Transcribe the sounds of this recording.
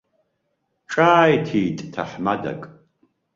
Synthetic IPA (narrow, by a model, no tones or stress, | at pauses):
ʈ͡ʂʼaːjtʰiːtʼtʰaħmada̰kʼ